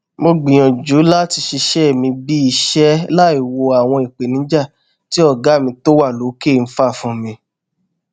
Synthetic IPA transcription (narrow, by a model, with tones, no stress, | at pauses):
mo˧ɡ͡bĩ˨j̃ɔ̃˨d͡ʒu˨˦la˦ti˧ʃi˧ʃɛ˦˨mĩ˧bi˦i˧ʃɛ˦la˦i˦˨wo˧a˨w̃ɔ̃˧i˨k͡pe˨nĩ˨˦d͡ʒa˦˨ | ti˦ɔ˦˨ɡa˨˦˨mĩ˧to˦wa˦˨lo˨˦ke˦˨˧n̩˦fa˦˨fũ˨˦mĩ˧